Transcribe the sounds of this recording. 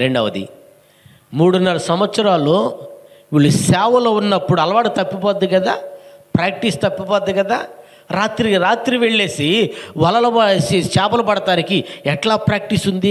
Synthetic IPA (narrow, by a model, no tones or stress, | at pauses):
ɾeɳɖɐʋɐd̪ḭ | muːɽunːɐɾɐsɐmʋɐt̪sɐɾaːlo̞ː | ʋiɭːusɛːʋɐlo̞ːunːɐpːuɽuɐlɐʋaːʈut̪ɐpːipɔːd̪ːiɡɐd̪a̰ːpɾaːk̚ʈist̪ɐpːipɔːd̪ːiɡɐd̪aː | ɾaːt̪ɾiɾaːt̪ɾiʋeɭːe̞ːsiʋɐlɐlɐbɐsit͡ʃɛːpɐlɐpɐɽɐt̪aːnikiɛʈlaːpɾaːk̚ʈisund̪i